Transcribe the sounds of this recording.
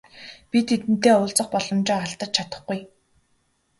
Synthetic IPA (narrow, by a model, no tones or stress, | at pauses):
pʲit̪ʰːet̪ɘ̆n̥t̪eːʊːɮt͡sə̆χpɔɮɞ̆mt͡ɕɪːaɬt̪ə̆t͡ɕ̚t͡ɕʰat̪ə̆χɡuj